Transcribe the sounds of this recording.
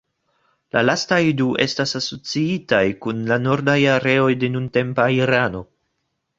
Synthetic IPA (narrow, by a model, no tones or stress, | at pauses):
la̰lastajduʔe̞̰stasaso̞t͡siitajkunlanoɾdajaɾe̞o̞jde̞nunte̞mpaiɾano̞